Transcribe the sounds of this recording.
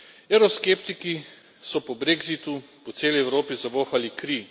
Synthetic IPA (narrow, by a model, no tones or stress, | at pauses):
ɛɾɔskeːpt̪iki | sɔpɔbɾeːɡzit̪upɔt̪seːlɛjɛwɾoːpizaʋoːxalikɾi